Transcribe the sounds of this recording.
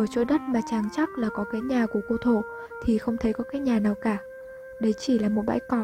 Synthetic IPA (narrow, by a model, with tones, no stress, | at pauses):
ʔəː˧˩t͡ɕo˧˦ɗə˦˥t̚maː˨˩t͡ɕaː˨˩ŋt͡ɕa˦˥k̚laː˨˩kɔ˨˦kaː˨˦jɲaː˨˩ku˧˩əko˧t̪ʰo˧˩˨ | t̪ʰi˨˩xə˧wŋ͡mt̪ʰə˨˦jkɔ˨˦kaː˨˦jɲaː˨˩naː˨˩wkaː˧˩ | ɗə˨˦jt͡ɕi˧˩laː˨˩mo˨˩t̚ɓa̰˧˥jkɔ˧˩